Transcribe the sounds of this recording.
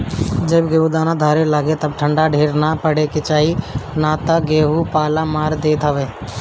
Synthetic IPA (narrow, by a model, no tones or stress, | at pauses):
d͡ʒebɡeːud̪aːnãːd̪ʱaːɾelaːɡet̪əb̚ʈʰəɳɖaːɖʱeːɾnaːpəɽ̤eːkɪt͡ʃaːɦinaːt̪əɡeːɦuːpaːlaːmaːɾd̪eːt̪ʰəʋeː